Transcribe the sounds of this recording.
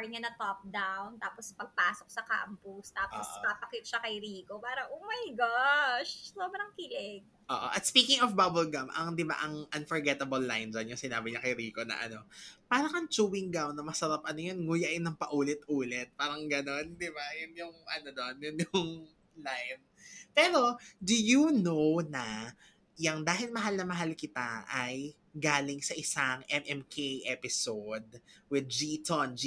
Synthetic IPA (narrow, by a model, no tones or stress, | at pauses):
ɲɐnɐt̪op̚d̪awnt̪aːpospɐɡ̚paːsok̚sɐka̰ːmpʊst̪aːpʔosʔkɐpɐkit̪̚ʃɐkɐjɾiːkopaːɾɐŋʔoːmajɡaʃsoːbɾɐŋkilɛɡ̚ʔo̰ːʔo̰ʔɐt̪spiːkɪŋɔfbabʊlɡɐmʔɐŋd̪ɪba̰ʔɐŋʔɐnfɔɹɡɛt̪ɐbɐlːajnd͡ʒɐnjʊŋsɪnaːbɪɲɐkɐjɾiːko̞nɐ̰ʔɐ̰no̞paːɾɐŋɐnt͡ʃuːwɪŋɡ̪awnɐmɐsɐɾapʔɐnojonŋʊjaʔɪnːɐŋpɐʔuːlɪt̪ʔuːlɛt̪̚paːɾɐŋɡɐno̞nd̪ɪbajʊnjʊŋʔɐnod̪onjʊŋjʊŋ | lajn | pɛːɾo̞d̪ʊjunownɐ | jɐŋd̪aːɦɪlmɐɦalnɐmɐɦalkɪt̪aʔɐj | ɡaːlɪŋsɐʔɪsaŋʔɛmʔɛmkʰejʔɛpɪsod̪̚wɪd̪̚d͡ʒit̪ond͡ʒi